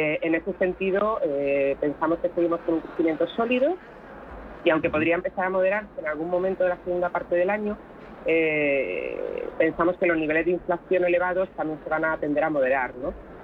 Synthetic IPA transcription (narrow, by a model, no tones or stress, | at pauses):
eene̞se̞se̞nt̪iðoepe̞nsamo̞ske̞se̞ɣimo̞skenuŋkɾeθimje̞nt̪o̞so̞liðo | iawŋke̞po̞ðɾiaempe̞θaɾamo̞ð̞e̞ɾaɾseːnalɣ̞uŋmːomẽnt̪oðe̞laseɣund̪apaɾt̪e̞ðe̞laɲo | e | pe̞nsamo̞skelo̞zniβ̞e̞lezðiɱflaθjo̞ne̞le̞β̞aðo̞st̪amje̞nse̞β̞anaːt̪e̞nd̪eɾamo̞ð̞e̞ɾaɾno̞